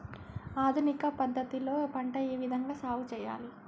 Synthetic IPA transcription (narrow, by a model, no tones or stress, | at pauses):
aːd̪ʱunikɐpɐd̪ʱːɐt̪iloːpɐɳʈɐeːʋid̪ʱɐŋɡaːsaːʋut͡ʃɛːja̰ːli